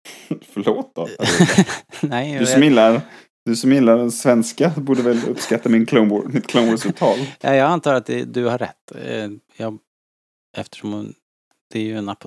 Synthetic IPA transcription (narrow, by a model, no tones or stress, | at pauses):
fœɭoːt̪̚ːɔa | nɛd̪ɵsɔmɪlːaɾ | d̪ɵsɔmɪlːaɖɛnsvɛnskabuːɖəvɛlɵ̰pːskat̪ːamɪnkʰlɔbɔmɪt̪kʰlaŋbɔsɵt̪ʰɑːlja̰jɑːɡant̪ʰɑːɾat̪̚d̪ɛ̰d̪ɵhaɾːɛ̰t̪ːjɑːɡ | ɛft̪ə̥ʂɔm | d̪̥ɛæjɵnapʰ